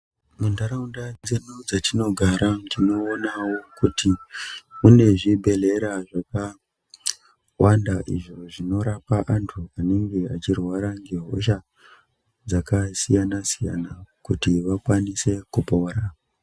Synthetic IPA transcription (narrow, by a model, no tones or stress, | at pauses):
mundaɾaundad͡zenud͡zatino̞ɡʱaɾatino̞ːnawo̞kutimune̞ʐibʱe̞le̞ɾaʐaka | wʔandaʔḭʐo̞ʐino̞ɾapaʔantʰuane̞ŋɡe̞at͡ʃirwaɾaŋɡeɦo̞̰ʃa | d͡zakasijanasija̰nakutiʋakwanise̞kupoːɾa